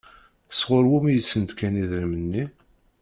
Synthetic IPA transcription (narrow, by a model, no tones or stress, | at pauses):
əsʁʊɾwumijəsːənd̪kæniðɾimənːi